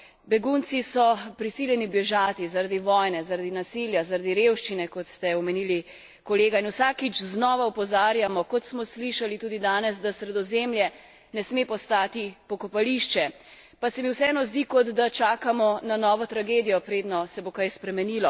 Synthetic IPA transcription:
bɛɡunt̪sisɔpɾisiljɛnibjɛʒaːt̪izaɾad̪iʋɔjnɛzaɾad̪inasiljazaɾad̪iɾewʃt͡ʃinɛkɔt̪st̪ɛɔmɛniːli | kɔleːɡainwsaːkit͡ʃznɔːʋaɔpɔzaːɾjamɔkɔt̪smɔsliʃalit̪uːd̪id̪aːnɛz̬d̪asɾɛd̪ɔzemljɛ | nɛsmepɔst̪aːt̪ipɔkɔpaliʃt͡ʃɛ | pasɛmiwsɛɛːnɔzd̪ikɔd̪d̪at͡ʃaːkamɔnanɔːʋɔt̪ɾaɡeːd̪ijɔpɾeːd̪nɔsɛbokajspɾɛmɛniːlɔ

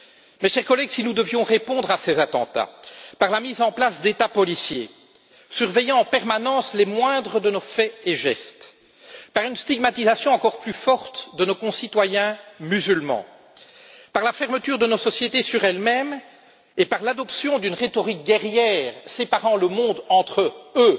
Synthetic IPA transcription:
mɛʃɛʁkɔlɛɡsinud̪əvjɔ̃ʁepɔ̃d̪ʁasezat̪ɑ̰̃t̪a̰paʁlamizɑ̃plasd̪et̪apɔlisjḛ | syʁvejɑ̃ɑ̃pɛʁmanɑ̃ːslɛmwɛ̃d̪ʁəd̪ənofɛeʒɛ̰st̪ | paʁynst̪iɡmat̪izasjɔ̃ɑ̃kɔʁplyfɔʁt̪d̪ənokɔ̃sit̪wajɛ̃myzylmɑ̰̃ | paʁlafɛʁmət̪yːʁd̪ənosɔsjet̪esyʁɛlmɛm | epaʁlad̪ɔpsjɔ̃d̪ynʁet̪ɔʁik̚ɡʲɛʁjɛːʁsepaʁɑ̃ləmɔ̃d̪ɑ̃t̪χəø

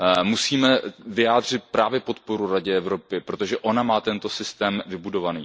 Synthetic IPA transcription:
musiːmɛvɪjaːd̪r̝ɪt̪̚pɾaːvjɛpo̞t̪po̞ɾuɾaɟɛɛvɾo̞pɪpɾo̞t̪o̞ʒɛʔo̞namaːt̪ɛnt̪o̞sɪst̪ɛːmvɪbudo̞vaniː

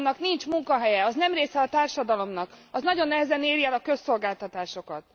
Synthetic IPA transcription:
nɒknint͡ʃmuŋkɒɦɛjɛɒznɛmreːsɛɒt̪aːrʃɒd̪ɒlo̞mnɒkɒznɒɟo̞nːɛɦɛzɛneːɾjɛlɒkø̞sːo̞lɡaːlt̪ɒt̪aːʃo̞kɒt̪̚

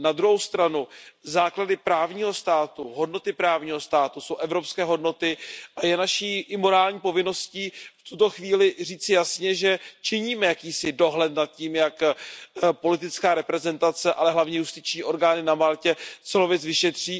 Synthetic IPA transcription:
nad̪ɾuɦowst̪ɾanuzaːkladɪpɾaːvɲiːɦo̞st̪aːt̪uɦo̞dno̞t̪ɪpɾaːvɲiːɦo̞st̪aːt̪uso̞wʔɛvɾo̞pskɛːɦo̞dno̞t̪ɪʔajɛnaʃiːʔɪmo̞ɾaːlɲiːpo̞vɪno̞sciːft̪ut̪o̞xviːlɪriːt͡sɪjasɲɛʒɛt͡ʃɪɲiːmɛjakiːsɪdo̞ɦlɛt̪nat̪̚ciːmjak | po̞lɪt̪̬ɪt͡skaːɾɛpɾɛzɛnt̪at͡sɛʔalɛɦlavɲɛjust̪ɪt͡ʃɲiːʔo̞ɾɡaːnɪnamaːlcɛt͡sɛlovjɛt͡svɪʃɛt̪r̝̥iː

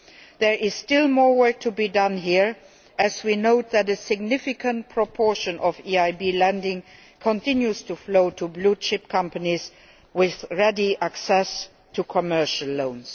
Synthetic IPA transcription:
ðɛ˞ʔɪzstɪlˠmɔːɹwɜ˞k̚tʰubidʌ̃nɦiɹ | ʔɨzwinoʊt̪̚ðætəsɪɡnɪfɪkʰə̃nt̚pʰɹ̥ɔpʰɔɹʃə̃nʔɔviaɪbiːlæ̃ndɪ̃ŋ | kʰɔ̃ntʰɪ̃njuztʰufloʊtʰubluʃɪp̚kʰʌ̃mpəniz | wɪðɹɛdiʔæksɛs | tʰukʰɔmɜ˞ʃəlːõʊ̃ns

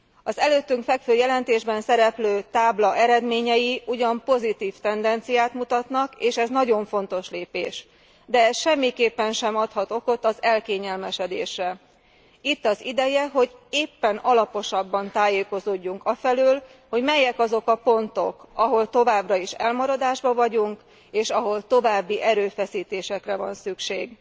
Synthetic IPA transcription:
ɒzɛløːt̪ːyŋkfɛkføːjɛlɛnt̪eːʒbɛnsɛɾɛpløːt̪aːblɒʔɛɾɛd̪meːɲɛjiʔuɟɒmpo̞zit̪iːft̪ɛnd̪ɛnt̪sijaːt̪mut̪ɒt̪nɒkeːʃɛznɒɟo̞ɱfo̞n̪t̪o̞ʃleːpḛːʃ | d̪ɛʃɛmːikeːpːɛnʃɛmɒt̪hɒt̪o̞ko̞t̪ɒzɛlkeːɲɛlmɛʃɛd̪ḛːʃrɛ | it̪ːɒzid̪ɛjɛɦo̞ɟeːpːɛnɒlɒpo̞ʃɒbːɒnt̪aːjeːko̞zoːɟːuŋkɒfɛlyːl | ho̞ɟmɛjɛkɒzo̞kɒpo̞nt̪o̞̰kɒɦo̞lt̪o̞vaːbrɒiʃɛ̰lmɒɾɒd̪aːʒbɒvɒɟuŋk | eːʃɒɦo̞lt̪o̞vaːbːiʔɛɾøːfɛsiːt̪eːʃɛkrɛvɒ̰nsykʃeːɡ

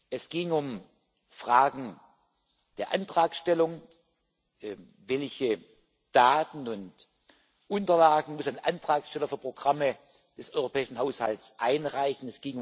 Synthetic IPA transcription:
ʔɛsɡ̥ɪŋʊm | fʁ̥aːɡŋ̩ | d̥eːɐʔantʁ̥aːksʃtɛlʊŋ | vɛlçə | d̥aːtn̩ʊnt | ʔʊntɐlaːɡŋ̩mʊsannʔantʁ̥aːksʃtɛlɐfyɐpʁ̥oɡ̥ʁamə | d̥ɛsʔɔʏʁopʰɛːɪʃn̩ɦaʊshaltsʔaɪnʁaɪçn̩ɛsɡ̥ɪŋʊ

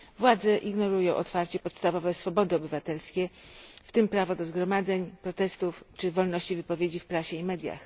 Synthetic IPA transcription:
vwad̪zɛʔiɡnɔɾujɔ̃w̃ʔɔt̪faɾt͡ɕɛpɔt̪st̪avɔvɛsfɔbɔd̪ɘɔbɘvat̪ɛlskʲɛft̪ɘmpɾavɔd̪ɔzɡɾɔmad̪zɛɲpɾɔt̪ɛst̪uft͡ʂɘvɔlnɔɕt͡ɕivɘpɔvʲjed͡ʑifpɾaɕɛimɛd̪ʲja̰x

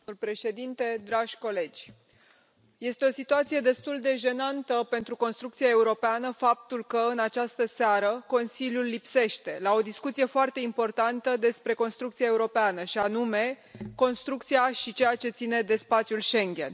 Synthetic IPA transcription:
lpɾe̞ʃe̞d̪int̪e̞d̪ɾaʒʲko̞le̞d͡ʒʲ | je̞st̪eo̞sit̪uat̪sije̞d̪e̞st̪uld̪e̞ʒe̞nant̪əpe̞nt̪ɾuko̞nst̪ɾukt̪sijae̞uɾo̞peanəfap̚t̪ulkəɨnat͡ʃast̪əsaɾəko̞nsiljulːipse̞ʃt̪e̞lao̞d̪iskut̪sije̞foart̪e̞impo̞rt̪ant̪əd̪e̞spɾe̞ko̞nst̪ɾukt̪siaeuɾo̞peanəʃianume̞ | ko̞nst̪ɾuk̚t̪siaʃit͡ʃejat͡ʃe̞t̪sine̞d̪e̞spat̪sjulʃe̞ŋɡʲe̞̰n

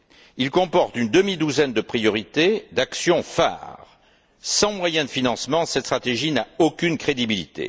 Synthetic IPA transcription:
ilkɔ̃pɔʁt̪ynd̪əmid̪uzɛnd̪əpχijɔʁit̪ed̪aksjɔ̃fa̰ʁ | sɑ̃mwajɛ̃d̪əfinɑ̃smɑ̃sɛt̪st̪χat̪eʒinaokʲynkχed̪ibilit̪ḛ

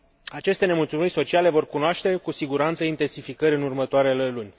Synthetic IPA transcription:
at͡ʃe̞st̪e̞ne̞mult̪sumirʲso̞t͡ʃiale̞vo̞rkunoaʃt̪e̞kusiɡuɾant̪səint̪e̞nsifikəɾʲɨnurmət̪oaɾe̞lelunʲ

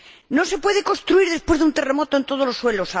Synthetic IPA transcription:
nose̞pwe̞ðekost̪ɾuiɾðe̞spwe̞zðunt̪eremot̪oent̪oð̞olosːwelosa

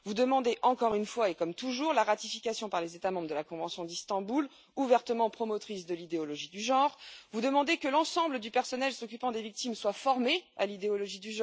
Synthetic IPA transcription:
vud̪əmɑ̃d̪eʔɑ̃kɔʁynfwaekɔmt̪uʒuʁlaʁat̪ifikʲasjɔ̃paʁlezet̪amɑ̃bʁəd̪əlakɔ̃vɑ̃sjɔ̃d̪ist̪ɑ̃bul | uvɛʁt̪əmɑ̃pχɔmɔt̪χisd̪əlid̪eɔlɔʒid̪yʒɑ̃ʁvud̪əmɑ̃d̪ekəlɑ̃sɑ̃bləd̪ypɛʁsɔnɛlsɔkʲypɑ̃d̪evik̚t̪imswafɔʁmealid̪eɔlɔʒid̪yʒ̃

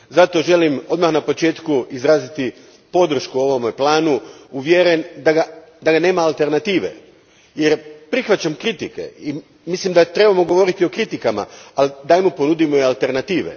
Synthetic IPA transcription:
zat̪o̞ʒe̞limo̞d̪maxnapot͡ʃe̞ːt̪kuizɾaːzit̪i | po̞d̪r̩ʃkuo̞ʋo̞meplˠaːnuuʋjeɾend̪aɡa | d̪aɡane̞ːmaːlˠt̪e̞ɾnat̪iːʋe̞̰ | je̞ɾpɾixʋat͡ɕamkɾit̪ike̞̰i | mislimd̪at̪ɾe̞bamoɡo̞ʋo̞ɾit̪io̞kɾit̪ikama̰alid̪ajmupo̞nud̪imoialˠt̪e̞ɾnat̪iːʋḛ

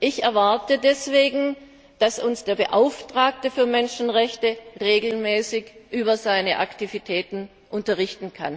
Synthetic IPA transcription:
ʔɪçɛɐvaɐtədɛsv̥eːɡŋ̩ | d̥asʊnsd̥eːɐbəʔaʊftʁ̥aːk̚təfyːɐmɛnʃn̩ʁɛçtəʁeːɡl̩mɛːsɪçʔyːbɐzaɪnəʔa̰ktivitʰɛːtn̩ | ʔʊntɐʁɪçtn̩kʰa̰n

